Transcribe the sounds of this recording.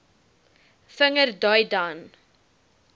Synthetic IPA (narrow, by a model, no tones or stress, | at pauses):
fəŋərdɔjdan